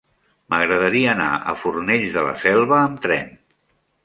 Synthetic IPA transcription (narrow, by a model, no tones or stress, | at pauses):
məɣɾəðəɾiəːna̰ʔə̰furneʎzðələ̰sɛlˠβəːmt̪ɾɛn